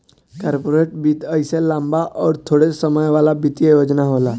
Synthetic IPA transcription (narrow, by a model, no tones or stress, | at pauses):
kaɾpoɾeʈ̚bit̪əjselambaʔɔɾt̪ʰoɽesəməjʋalabit̪jejod͡znaɦola